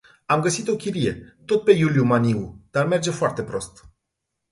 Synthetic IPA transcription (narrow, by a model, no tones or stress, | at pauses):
amɡəsit̪o̞kʲiɾije̞̰t̪o̞t̪̚pe̞juljumaniud̪̥arme̞rd͡ʒe̞foart̪e̞pɾo̞̰st̪